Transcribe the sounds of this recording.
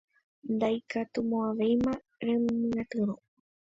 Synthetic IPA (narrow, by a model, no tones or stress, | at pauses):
nd̪ajkat̪umõaʋejmã | ɾemmɨ̃at̪ɨɾo